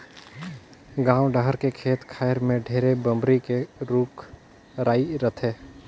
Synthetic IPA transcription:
ɡãːwɖəɦəɾkekʰeːt̪kʰaːɪɾmẽɖʱeːɾebəmbɾikeɾuːk | ɾaːiɾət̪ʰeː

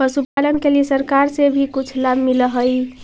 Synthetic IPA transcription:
pəsupalənkelisəɾkaɾsebʱikut͡ʃʰlabmiləɦəj

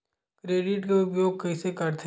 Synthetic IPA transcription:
kɾeːɖɪʈkeʊpjoːɡ̚kɐsekɐɾt̪ʰ

